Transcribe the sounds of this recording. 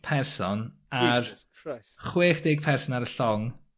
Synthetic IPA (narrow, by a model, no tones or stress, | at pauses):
pʰɛrsɔnar | χweːχd̥ɪːɡ̥̚pʰɛrsɔnaɾəɬɔŋ